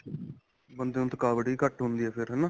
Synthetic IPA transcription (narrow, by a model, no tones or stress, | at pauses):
bənd̪eːõːt̪əkaːʋəɽiːkəʈɦʊ̃nd̪iːɛːpʰɪɾɦɛːnaː